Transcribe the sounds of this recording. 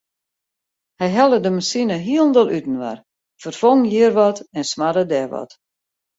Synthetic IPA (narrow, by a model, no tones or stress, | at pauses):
hɛjɦɛlˠədəmasinəɦiəlˠndəlˠytn̩ʋa̰r | fərfoŋjiərʋɔtɛnsmadədɛʋɔ̰t